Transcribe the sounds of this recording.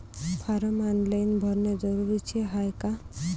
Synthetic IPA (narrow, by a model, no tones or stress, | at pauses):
pʰaɾɔmanlajnbʱɔɾned͡ʒɔɾuɾit͡ʃʰieɦajka